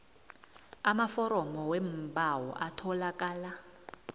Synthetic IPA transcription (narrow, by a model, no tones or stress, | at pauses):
amafɔɾɔmɔwɛmbawɔ̰ʔatʰɔlakaːla